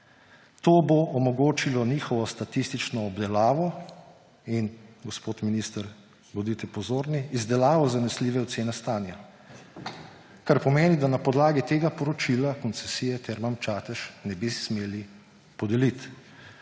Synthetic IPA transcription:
t̪oːboʔːmɔɡoːt͡ʃilɔniːxɔʋɔst̪at̪ist̪it͡ʃnɔːbd̪ɛlaːʋɔ | inɡɔspoːt̪minist̪əɾ | ɡɔd̪it̪ɛpɔzoːɾniːzd̪ɛlaːʋɔzanɛsliːʋɛɔt̪seːnɛst̪aːnja | kaɾpɔmeːnid̪anapɔd̪laːɡit̪eːɡapɔɾɔt͡ʃilakɔnt̪sɛsijɛt̪ɛɾmamt͡ʃaːt̪ɛʃnɛbismeːli | pɔd̪ɛlit̪

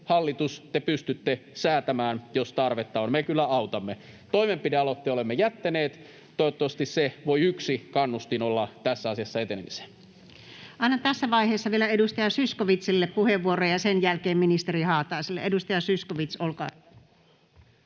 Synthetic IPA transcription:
hɑlːit̪ust̪epyst̪yt̪ːesæːt̪æmæːnjost̪ɑrʋet̪ːɑonmekylːæɑut̪ɑmːe | t̪oimempideɑlot̪ːiolemːejæt̪ːæneːt̪ | t̪ojot̪ːoʋɑst̪isseʋoiyksikɑnːust̪inolːɑt̪æsːæɑsiɑsːɑet̪enemise̥ | ʔɑˑinɑt̪æsːæʋɑiheːsːɑʋielæedust̪ɑjɑsyskoʋit̪silːeppuheʋːuorojɑsenjælkeːmminist̪erihɑːt̪ɑˑːselːḛedust̪ɑjɑsyskoʋit̪solkɑ̰ː

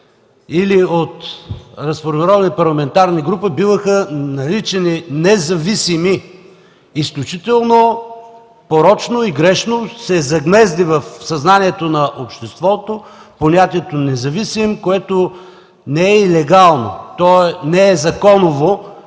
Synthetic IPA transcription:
iliot̪ɾɐsfoɾmiɾɔvɐnipɐɾlˠɐmɛnt̪aɾniɡɾupəbivəxənɐɾit͡ʃɛninɛzɐvisimiː | sklʲut͡ʃit̪ɛlˠno | poɾɔt͡ʃnoiɡɾɛʃnosɛzɐɡmɛzd̪ivɐfsɐznaniɛt̪onɐʔopʃt̪ɛst̪vɔt̪oponʲat̪iɛt̪onɛzɐvisimkoɛt̪o | nɛɛilɛɡalˠno̰t̪ɔɛnɛɛzɐkɔnovo

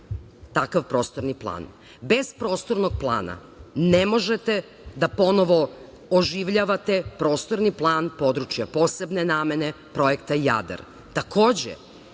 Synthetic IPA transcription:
t̪akaʋpɾo̞ːst̪oɾniplˠa̰ːn | be̞zpɾo̞ːst̪oɾnoɡ̚plˠa̰ːna̰ | nemo̞ʒet̪e | d̪apo̞no̞ʋo̞ | oʒiʋʎaʋat̪e̞pɾo̞ːst̪o̞ɾniplˠaːnpo̞d̪ɾut͡ʃjapo̞ːse̞bne̞naːme̞ne̞ | pɾo̞ekt̪aija̰d̪a̰ɾ | t̪akʰoːd͡ʑḛ

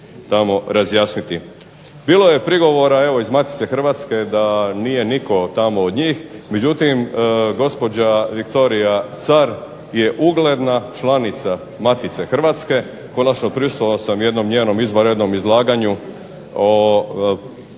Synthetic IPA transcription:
t̪amo̞ɾazjaːsnit̪i | biːlˠoje̞pɾiɡo̞ʋo̞ɾae̞ʋo̞izmat̪it̪se̞xr̩ʋat̪ske̞d̪anijeniko̞t̪amood̪ɲiːxmed͡ʑut̪imɡo̞spo̞d͡ʑaʋikt̪o̞ɾijat̪saɾ | jeʔuɡle̞d̪nat͡ʃlanit̪sa | mat̪it̪se̞xr̩ʋat̪ske̞ | ko̞nat͡ʃno̞pɾiusoosamje̞d̪no̞mɲeːno̞mizʋoɾe̞d̪no̞mizlˠaːɡaɲu | o

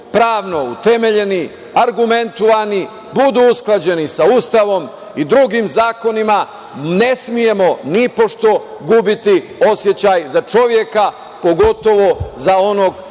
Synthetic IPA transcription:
pɾaːʋno̞ṵt̪e̞meʎe̞ni | aɾɡument̪oʋani | bud̪uusklˠad͡ʑe̞nisauːst̪aʋo̞m | id̪ɾuɡimzaːko̞nima | ne̞smije̞mo̞nipo̞ʃt̪o̞ɡubit̪io̞sje̞t͡ɕaːjzat͡ʃo̞ʋje̞ka | po̞ɡo̞t̪o̞ʋo̞zao̞noɡ

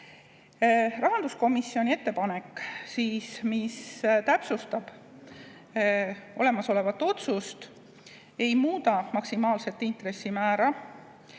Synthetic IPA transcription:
rɑɦɑnd̪usko̞misːio̞nʲie̞t̪ːe̞pɑne̞kːˑsiːsmist̪æpsust̪ɑb̥ | o̞̰le̞mɑso̞le̞vɑt̪ːˑo̞t̪sust̪ | e̞jmuːt̪ɑmɑksimɑːlse̞t̪ːint̪ɾe̞sːimæːɾɑ

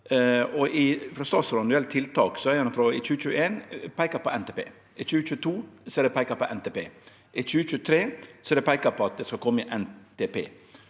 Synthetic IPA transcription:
ɔʔɪfɾɔst̪ɑːt̪sɾʋɑnʉɛlt̪ʰɪlt̪ɑːksɔɛɾɛnfɾɔɪt͡ʃʉːət͡ʃʉːəeːnpʰæɪkəɾpɔɛnt̪ʰeːpḛː | ɪt͡ʃʉːət͡ʃʉːət̪ʰuːsɔɛɾd̪ɛpʰæɪkəpɔʔɛnt̪eːpḛː | ʔɪt͡ʃʉːət͡ʃʉːət̪ʰɾeːsɔɛɾd̪ɛpʰæɪkəpʰɔɑt̪̚d̪ɛskɑkʰɔmːəɪʔɛnt̪epḛː

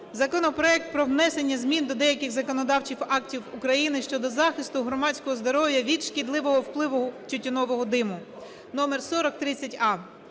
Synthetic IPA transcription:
zɐkɔnɔpɾɔɛk̚t̪̚pɾɔwnɛse̞nʲːɐzʲmʲind̪ɔd̪ɛjɐkɪxzɐkɔnɔd̪ɑwt͡ʃiwɑktʲiwʊkɾɐjinɪʃt͡ʃɔd̪ɔzɑxɪst̪ʊɦɾɔmɑt͡sʲkɔɦɔzd̪ɔɾɔʋjɐʋʲid̪ʃkʲid̪lˠɪʋɔɦɔwplˠɪʋʊt͡ʃʊtʲːɔnɔʋɔɦɔd̪ɪmʊ | nɔmersɔɾɔk̚t̪ɾɪt͡sʲːɐtʲɑ

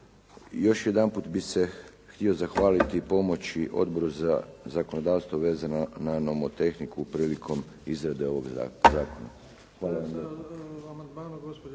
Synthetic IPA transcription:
jo̞ʃje̞d̪anpuːt̪bise̞ | xt̪io̞zaxʋaːlit̪ipo̞mo̞t͡ʃiʔo̞̰d̪bo̞ɾuza̰zako̞no̞d̪aːʋst̪ʋoʋe̞ːzanananomot̪e̞xnikupɾiːlikʰo̞m | izɾad̪e̞o̞ʋo̞ɡzaːko̞na̰ | xʋaːlaʋamje

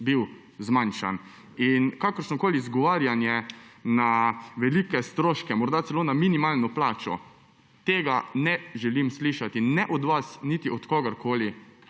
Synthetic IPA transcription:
biw | zmanʃa̰n | inkakɔɾʃnɔkoːlizɡɔʋaːɾjanjɛnaʋɛlikɛst̪ɾoːʃkɛmɔɾd̪at̪sɛloːnaminimalnɔplaːt͡ʃɔ̰ | t̪eːɡanɛʒɛlimsliʃat̪inɛʔɔd̪ʋasnit̪iʔɔt̪kɔɡaɾkoːli

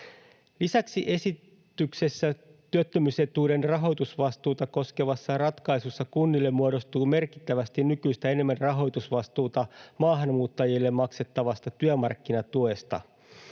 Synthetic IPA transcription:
lisæksiʔe̞sit̪ːykse̞sːæt̪yøt̪ːømyse̞t̪uːde̞nrɑɦo̞jt̪usʋɑst̪uːt̪ɑko̞ske̞ʋɑsːɑrɑt̪kɑjsusːɑkunːilːe̞mːuoɾo̞st̪uːme̞rki̥t̪ːæʋæst̪innykyjst̪æe̞ne̞mːænrɑɦo̞jt̪usʋɑst̪uːt̪ɑmɑːɦɑnmuːt̪ːɑjilːe̞mmɑkse̞t̪ːɑʋɑst̪ɑt̪yømɑrkːinɑt̪ue̞st̪ɑ̰

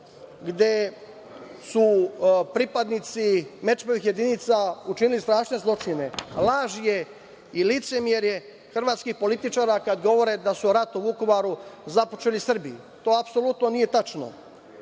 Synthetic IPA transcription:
ɡd̪e̞ | supɾipad̪nit̪sime̞t͡ʃmoʋixjed̪init̪saut͡ʃinilist̪ɾaːʃne̞zlˠo̞t͡ʃine̞laːʒije̞ | ilit̪se̞mjeɾje | xr̩ʋaːt̪skixpo̞lit̪it͡ʃaːɾakad̪ɡo̞ʋo̞ɾe̞d̪asuɾat̪uʋuko̞ʋaɾuzapo̞̥t͡ʃelisr̩bi | t̪o̞ːapso̞lut̪no̞nije̞t̪at͡ʃno̰

